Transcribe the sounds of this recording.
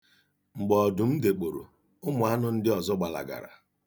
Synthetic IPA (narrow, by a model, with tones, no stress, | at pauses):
ŋ͡m̩˨ɡ͡bɔ˨dʊ˨m̩˦de˨k͡po˨ɾo̰˨ | ʊ˦mʊ˨a˦nʊ˦n̩˦dɪ˦ɔ˨zɔ˦ɡ͡ba˨la̰˨ɡa̰˨ɾa̰˨